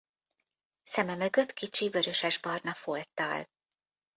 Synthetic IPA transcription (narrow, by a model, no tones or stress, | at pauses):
sɛmɛmø̞ɡø̞t̪kit͡ʃivøɾø̞ʃɛʒbɒrnɒfolt̪ːɒ̰l